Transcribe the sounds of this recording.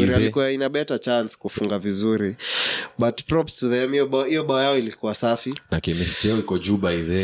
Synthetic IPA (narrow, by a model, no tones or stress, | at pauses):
uɾialikuwainaɓɛtat͡ʃanskufuŋɡavizuɾiɓatpɾɔpsuðɛamiɔɓaɔhijɔɓaɔjaɔilikuwasafinakɛmistɛɔikɔd͡ʒuɓaiðɛ